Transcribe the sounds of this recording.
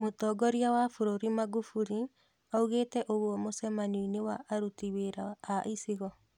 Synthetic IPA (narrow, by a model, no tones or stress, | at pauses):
motɔɡɔɾiawafuɾoɾimaɡufuɾi | auɣetɛʔoɣwɔmosɛmaniinewaʔːɾutiweɾaːʔisiɣɔ